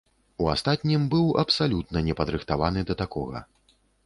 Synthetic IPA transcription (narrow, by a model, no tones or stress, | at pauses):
ua̰st̪at̪ʲnʲimbɨwɐpsalʲut̪nɐnʲɛpɐd̪ɾɨxt̪avanɨd̪ɐt̪akɔ̰ɣɐ̰